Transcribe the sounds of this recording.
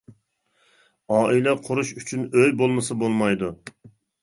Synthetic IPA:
ɑːʔilɛqʰʊɾuʃyt͡ʃʰynøjbolˠmɨsɨbolˠmɑjd̪u

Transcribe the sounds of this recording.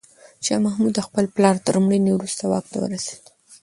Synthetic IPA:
t͡ʃɑmahmud̪əxpəlplɑɾt̪əɾumɽəjnewɾust̪awɑ̰k̚t̪a̰wə̰ɾase̥d̪

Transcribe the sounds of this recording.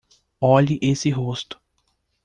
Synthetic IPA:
ɔʎiʔesɪɦost̪ʊ̥

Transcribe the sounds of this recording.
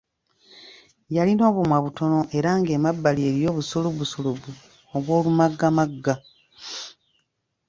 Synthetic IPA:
jalino̞ːβomwaβuto̞no̞ʔe̞ɾaŋɡeːmabːalie̞ɾjo̞ːβusoluβusoluβu | oβwo̞ːlumaɡːamaɡːa

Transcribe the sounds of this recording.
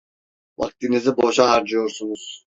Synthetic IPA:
va̰k̚t̪iniziboʃaɦaɾd͡ʒɯjo̞ɾsunuz̥

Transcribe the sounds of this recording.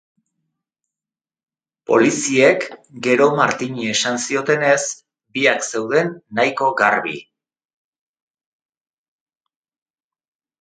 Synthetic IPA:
po̞̰lisie̞kɡe̞ɾo̞maɾt̪iɲiesansio̞t̪e̞ne̞s | biakse̞wðe̞nːajko̞ɡarβḭ

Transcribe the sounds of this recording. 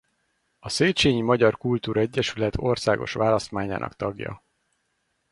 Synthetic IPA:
ɒseːt͡ʃeːɲimɒɟɒrkult̪uːɾɒɛɟːɛʃylɛt̪ʰo̞rsaːɡo̞̰ʃʋaːlɒst̪maːɲa̰ːnɒ̰kt̪ɒɡjɒ̰

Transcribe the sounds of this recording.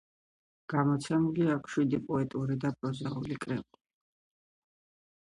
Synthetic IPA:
ɡ̥amɔt̪sʰɛmuliakʰʃwid̪ipʼɔɛt̪ʼuɾid̪apʼɾɔzaulikʼɾɛpi

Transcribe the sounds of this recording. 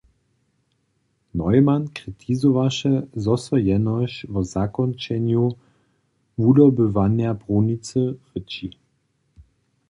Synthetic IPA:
nɔjmankʁit̪ʰizuvaʃɛzɔsɔjɛnɔɕvɔzakɔnt͡ʃɛɲju | vud̪ɔbɘvanjapʁunit͡səʁət͡ʃi

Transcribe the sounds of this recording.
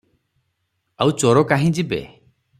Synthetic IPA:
awt͡ʃoɾokaɦĩd͡ʒibḛ

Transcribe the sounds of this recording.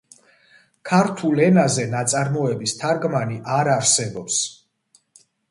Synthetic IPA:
kʰaɾt̪ʰulɛnazɛnat̪sʼaɾmɔɛbist̪ʰaɾɡmaniʔaɾaɾsɛbɔps

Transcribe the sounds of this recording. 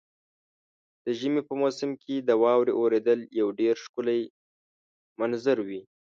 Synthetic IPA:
d̪̥əʒəmepəmosɪmkʰed̪əwɑwɾeʔoɾed̪əljawɖeɾʃkʊlaj | manzaɾwi

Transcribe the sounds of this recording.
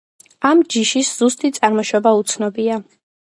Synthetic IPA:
amd͡ʒiʃisz̥ust̪ʼit̪sʼaɾmɔʃɔbaut̪sʰnɔbia

